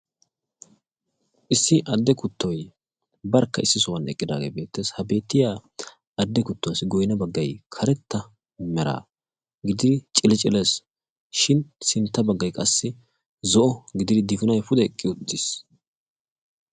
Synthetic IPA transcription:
ʔɪsːɪʔɐd̪ːɛkʊt̪ʰːɔj | bɐɾkːɐɪsːɪsɔwɐnɛ̰kʼːɪd̪a̰ːɡejbe̞ːt̪ːe̞ːshɐbe̞ːt̪ːɪjaː | ɐd̪ːɛkʊt̪ːɔwsɪɡɔjnɐbɐɡːɐjkʰɐɾɛt̪ːɐ | mɛɾa̰ː | ɡɪd̪ɪd̪ɪt͡ʃʼɪlɪt͡ʃʼɪle̞ːs | ʃɪnsɪnt̪ːɐbɐɡːɐjkʼɐsːɪ | zɔʔɔɡɪd̪ɪd̪ɪd̪ɪfɪnɐjfʊd̪ɛɛkʼːɪʊt̪ːɪs

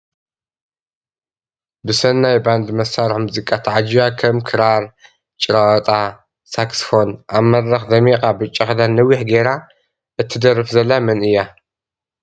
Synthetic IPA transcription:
bɨsɐnːajband̪mɐsːaɾɨħmuzɨkʼːat̪ʰaʕad͡ʒijakʰɐmkʰɨɾaɾ | t͡ʃʼɨɾawt̪ʼa | saksfo̞nʔaβmɐɾɐxd̪ɐmikʼabɨt͡ʃʼːɐxd̪anɐwɪħɡeɾa | ʔɨt̪ʰːɨd̪ɐɾɨfzɐlːamɐnɨjːa

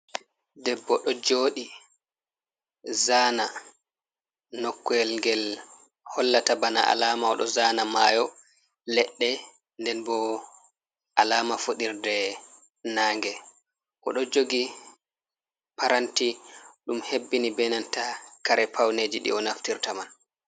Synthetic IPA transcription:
dɛbːɔɗɔd͡ʒoːɗi | zaːna | nɔkːɛlŋɡɛl | hɔlːatabana̰a̰laːmaɔɗɔ̰zaːnamajɔ | lɛɗːɛ | ndɛnbɔ | ʔalamafoɗiɾdɛ | naːŋɡɛ | ʔɔ̰ɗɔd͡ʒoɡi | paɾantiɗumhebːinibɛnantakaɾʔɛpʰawned͡ʒiɗḭɔnaftiɾtaman

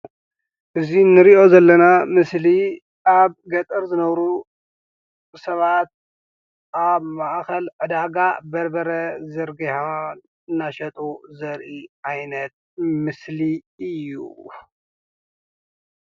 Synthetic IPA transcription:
ʔɨzinɨɾiʔo̞zɐlːɐnamɨsli | ʔaβɡɐt̪ʼɨɾzɨnɐβɾu | sɐβat̪̚ | ʔaβmaʔkɐlʕɨd̪aɡabɐɾbɐɾɐzɐɾɡɐha | nːaʃɐt̪ʼuzɐɾʔiʔajnɐt̪̚ | mɨsliɨjːṵ

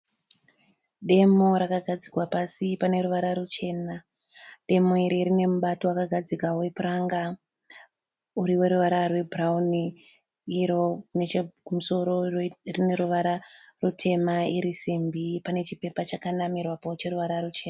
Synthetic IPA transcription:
ɗe̞moɾakaɡʱad͡zikwapasipane̞ɾuʋaɾaɾut͡ʃe̞ːna | ɗe̞moiɾiɾine̞muɓato̞wakaɡʱad͡zikawe̞puraŋɡa | uɾiwe̞ɾuʋaɾarwe̞brauni | iɾoneekumuso̞ɾorine̞ɾuʋaɾarutʰe̞maiɾisimbipane̞t͡ʃipe̞pat͡ʃakanamirwapout͡ʃe̞ɾuʋaɾarut͡ʃeːna

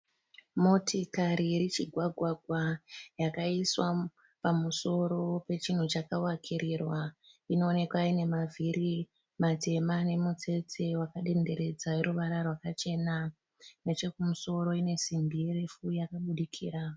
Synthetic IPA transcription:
motikaɾiɾit͡ʃiɡʱwaɡʱwaɡʱwajakaiswa | pamuso̞ɾo̞pe̞t͡ʃin̤ut͡ʃakawakʰiɾirwaino̞ːne̞kwaine̞mavʱiɾi | mat͡se̞mane̞mut͡se̞t͡se̞wakaɗe̞nde̞ɾe̞d͡zaiɾuʋaɾarwakat͡ʃe̞na | ne̞t͡ʃe̞kumuso̞ɾo̞ine̞sinbieɾe̞fujakaɓuɗikʰiːra

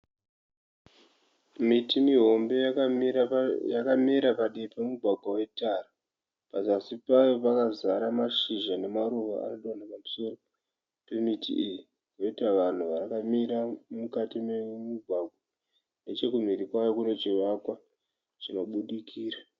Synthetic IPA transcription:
mitimiɦo̞mbe̞ | jakamiɾapaɗepe̞muɡʱwaɡʱwawe̞tara | pazasipajo̞pakazaɾamaʃiʒane̞maɾuʋa̰ʔa̰noɗonapamuso̞ɾo̞ | pe̞mitḭʔiji | ko̞itaʋan̤uʋarkamiɾamukatimemuɡʱwaɡʱwa | ne̞t͡ʃe̞kum̤iɾikwajokune̞t͡ʃiʋakwa | t͡ʃino̞ɓuɗikʰiːra

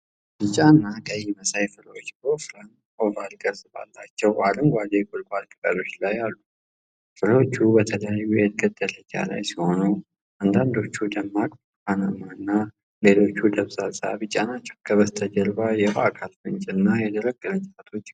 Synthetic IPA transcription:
bɨt͡ʃʼːanːakʼəjɛməsajfɨɾəwot͡ʃːbofɨɾan | kovalɡʼəzɨba̰lːat͡ʃːɛwʔalɨmɡʷad̪ekʼolkʼalkʼɨkʼəd̪o̞t͡ʃːlajalːu | fɨɾəwot͡ʃːubət̪ʰələjajːujɛt̪ɡəd̪ːəlɨt͡ʃʼːa̰la̰jsiho̞nəw | ʔand̪and̪o̞t͡ʃːud̪əmːakʼ | pʰanamaɨnːa | le̞lo̞t͡ʃːud̪əβzasʼa̰bɨt͡ʃʼːanat͡ʃːɛwkʰəβəst̪ʰəd͡ʒəɾbajɛfaakʰʼalfɨɲt͡ʃʼɨnːajɛd̪əɾəkʼːɨlɨɲt͡ʃʼsət̪ʰo̞t͡ʃː

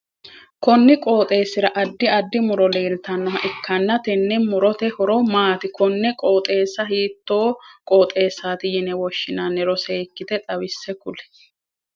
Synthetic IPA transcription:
kɔnːɪkʼoːt̪ʼe̞ːsːɪɾɐʔɐd̪ːɪɐd̪ːɪmʊɾɔleːlt̪ɐnːɔɦɐʔɪkːɐnːɐt̪ɛnːɛmʊɾɔt̪ɛhɔɾɔmaːt̪ɪkɔnːɛkʼo̞ːt̪ʼe̞ːsːɐɦiːt̪ːoːkʼoːt̪ʼe̞ːsːaːt̪ɪjɪnɛwɔʃːɪnanɛɾɔseːkːɪt̪ɛtʼɐβɪsːɛkʊlɛ̥

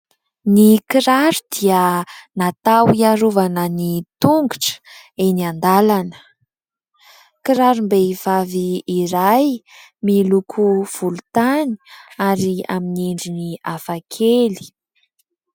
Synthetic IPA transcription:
nikiɾaɾud̪̥iənat̪awiaɾuvanənit̪uŋɡuʈ͡ʂə̥eniand̪alanə̥ | kiɾaɾumbeiv̥aviːɾaj | milukʰuv̥ulut̪ani̥aɾia̰mineɳɖ͡ʐiniafakʰeli̥

